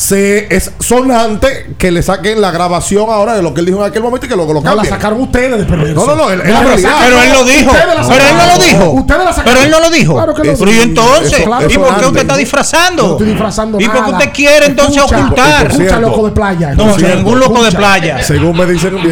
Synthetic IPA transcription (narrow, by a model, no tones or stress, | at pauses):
seessonãnt̪e | kelesakeŋlaɣɾaβasjo̞ŋaoɾaðelokeeld̪ihoeŋakelmomẽnt̪oikeloɣolokamabjsakaɾoŋust̪eðeðepeɾðeɾnnonoeelapɾoiapeɾoelloðihoðelapeɾoelnoloðiɦout̪eðelasakpeɾoelnoloðiɦoaɾokeient̪onseslaipokeust̪et̪aðifɾasand̪oeðifɾasand̪oipoɾkkeut̪ekjeɾeːnt̪onsesoult̪aɾelokoðeplaʝanõsnĩŋɡunlokoðeplaʝaseɣuŋmeðise